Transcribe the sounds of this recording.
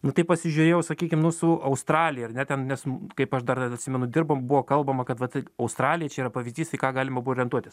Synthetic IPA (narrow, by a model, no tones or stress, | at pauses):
nʊt̪ɐɪpɐsʲɪʒʲʊɾʲeːjɛʊsɐkʲiːkʲɪmnʊsʊɐʊst̪ɾɑːlʲɪjɛɐrnʲɛt̪ʲɛnnʲɛskɐɪpɐʃd̪ɐrɐtʲsʲɪmʲɛnʊd̪ʲɪrboːmbʊʋoːkɐlˠbɐmɐkɐt̪ʋɐt̪ɐʊst̪ɾɑːlʲɪjɛt͡ʃʲɛiːɾɐpɐʋʲɪzʲdʲiːst̪ɐɪkɑːɡɑːlʲɪmɐbuoːɾʲɪɛnt̪uɔt̪ʲɪs